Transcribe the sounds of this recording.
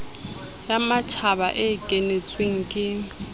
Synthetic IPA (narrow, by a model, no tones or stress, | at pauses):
jamat͡ʃʰaβa̰ʔekʼenet͡sʼweŋ̩kʼɪ